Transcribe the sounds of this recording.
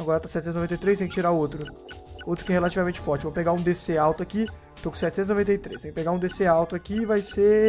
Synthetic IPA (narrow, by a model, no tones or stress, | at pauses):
aɡɔɾɐt̪asɛt͡ʃ̪sẽt̪znovẽt̪ejt̪ɾejs̬ẽj̃kɪt͡ʃiɾaot̪ɾʊ | ot̪ɾʊkɪɛhelat͡ʃivamẽnt͡ʃɪ̥fɔɾt͡ʃɪevopeɡaũd̪eseawt̪ʊaki | t̪okũsɛt͡ʃɪsẽt̪znovẽt̪ejt̪ɾḛsẽpeɡaũd̪eseawt̪ʊakiːvajse